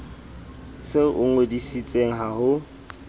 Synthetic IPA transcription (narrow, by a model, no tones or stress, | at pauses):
sɪʊ̰ŋedisit͡sʼeŋ̩ɦahʊ